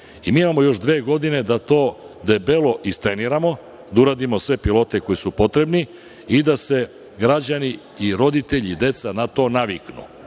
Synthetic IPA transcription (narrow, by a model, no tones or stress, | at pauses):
imiːimamo̞jo̞ʃd̪ʋeːɡo̞d̪ine̞d̪at̪o̞ːd̪e̞belo̞ʔist̪ɾe̞niɾamo̞ | d̪auɾaːd̪imo̞sʋe̞pilˠo̞t̪e̞ko̞jisupo̞t̪ɾe̞bni | id̪ase̞ | ɡɾad͡ʑani | iɾo̞d̪it̪e̞ʎid̪e̞t̪sanat̪o̞ːnaʋiknṵ